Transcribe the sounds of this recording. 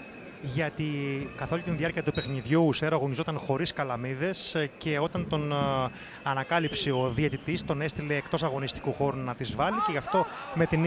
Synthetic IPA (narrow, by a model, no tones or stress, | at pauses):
ʝɐt̪ikɐθo̞lut̪inðiɐɾciɐt̪upe̞xniðʝuseɾoɐɣo̞ɲizo̞t̪ɐnxo̞ɾiskɐlɐmiðe̞sce̞o̞t̪ɐnt̪o̞n | ɐnɐkɐlipsio̞ðiet̪it̪ist̪o̞ne̞st̪ile̞ːkt̪o̞sɐɣo̞nist̪i̥kuxo̞ɾunɐt̪izvɐlice̞ʝɐft̪o̞me̞t̪in